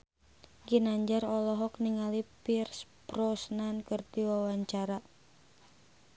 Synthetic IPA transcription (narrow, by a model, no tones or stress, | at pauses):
ɡinaɲd͡ʒaɾɔlɔɦɔkniŋalipirsb̥rɔsnankɨrdiwawaɲt͡ʃaɾa